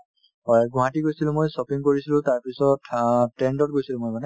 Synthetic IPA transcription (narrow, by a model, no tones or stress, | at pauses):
ɔjɡʊ̃ɦatiɡojsilʊ̃mojsɔpiŋkoɹisilʊ̃taɹpisɔttɛndɔt̚ɡojsilʊ̃mojmanɛ